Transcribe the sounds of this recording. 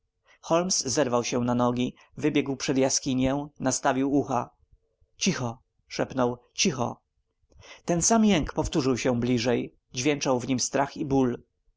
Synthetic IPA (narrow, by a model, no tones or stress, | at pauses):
xɔlmszɛɾvawɕɛ̃nanɔɡʲi | vɘbʲjɛɡwpʂɛd̪jaskʲiɲɛ̃nast̪avʲiwuxa | t͡ɕixɔ | ʂɛpnɔw | t͡ɕixɔ̰ | t̪ɛnsamjɛŋkpɔft̪uʐɘwɕɛ̃blʲiʐɛj | d͡ʑvʲjɛnt͡ʂawvɲimst̪ɾaxibul